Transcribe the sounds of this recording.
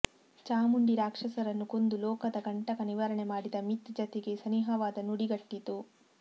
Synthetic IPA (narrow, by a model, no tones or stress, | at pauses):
t͡ʃaːmuɳɖiɾaːkʂɐsɐɾɐnːuko̞nd̪ulɔːkɐd̪ɐɡɐɳʈɐkɐniʋɐɾɐɳemaːɽid̪ɐmit̪d͡ʒɐt̪eɡe̞sɐniɦɐʋaːd̪ɐnuɽiɡɐʈːit̪u